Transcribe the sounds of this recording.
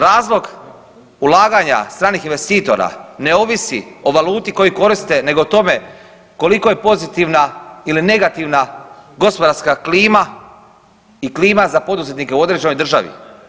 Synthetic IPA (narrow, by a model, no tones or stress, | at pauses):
ɾaːzlˠo̞ɡ | ulaːɡaɲa̰st̪ɾaːnixinʋe̞st̪iːt̪o̞̰ɾa̰ne̞o̞ʋisio̞ʋaluːt̪iko̞jiko̞ɾist̪e̞ne̞ɡo̞t̪o̞me̞ | ko̞liko̞je̞po̞zit̪iʋnailine̞ɡat̪iʋnaɡo̞spo̞d̪aɾskakliːma | ikliːmazapo̞d̪uzet̪nike̞uo̞d̪ɾe̞d͡ʑeno̞jd̪r̩ʒa̰ʋḭ